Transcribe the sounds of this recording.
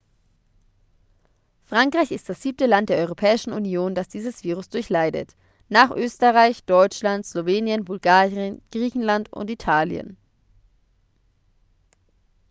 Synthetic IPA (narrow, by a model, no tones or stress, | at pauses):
fʁ̥aŋkʁ̥aɪçɪst̚d̥asz̥iːp̚təlant̚d̥eːɐʔɔʏʁopʰɛːɪʃn̩unjoːndasd̥iːzəsv̥iːʁ̞ʊsd̥ʊɐçlaɪdə̰t | naːχʔøːstəʁaɪçd̥ɔʏt͡ʃlantsloveːnjənbʊlɡaːʁiənɡ̥ʁiːçn̩lantʊ̰ntitʰaːljə̰n